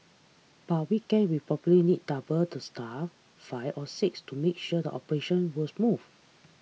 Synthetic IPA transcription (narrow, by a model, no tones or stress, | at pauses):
b̥at̚wikɛ̃nwipɹɔpəlinid̚dabəltusta | faɪvɔsɪkstumek̚ʃuədə̰ʔɔpəɹeʃə̃nwɔsmuv